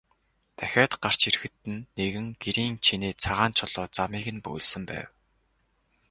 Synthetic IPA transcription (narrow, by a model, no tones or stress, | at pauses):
t̪ʰæxʲaːt̪ɢ̥ar̥t͡ɕirxɘ̆t̪ɘ̆nːeɣɘ̆ŋɡ̥eɾiːŋt͡ɕʰineːt͡sʰaʁaːnt͡ɕʰʊɮʊːt͡samiːɣɘ̆npɵ̰j̆ɮsɘ̆mpæ̰ːw